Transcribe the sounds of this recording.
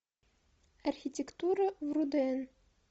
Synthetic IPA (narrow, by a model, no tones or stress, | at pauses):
ɐrxʲitʲɪkt̪uɾəvrud̪ɛn